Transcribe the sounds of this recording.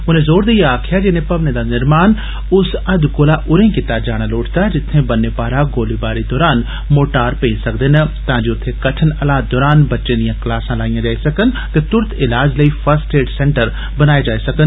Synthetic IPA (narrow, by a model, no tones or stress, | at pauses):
ʊnẽzoːɾd̪iːaːkʰɪjad͡ʒɪnẽpɐʋned̪anɪɾmaːn | ʊsɐd̪koːlaʔʊɾẽkɪt̪aːd͡ʒaːɽ̃aloːʈʰt̪ad͡ʒɪt̪ʰːẽbɐnːepaːɾaɡoːlibaːɾid̪ɔːɾaːn | moːʈaːɾpẽːnsɐkd̪enət̪ãːd͡ʒiʊt̪ʰːẽkɐʈʰənɐlaːd̪̚d̪ɔːɾaːnbɐtːʃẽd̪ijãklaːsãlaːijãd͡ʒaːisɐkən | t̪et̪ʊɾt̪ʰɪlaːd͡ʒləifʰəɾsʈeːʈsɛ̃ːɳʈəɾ | bɐnaːed͡ʒaːisɐkən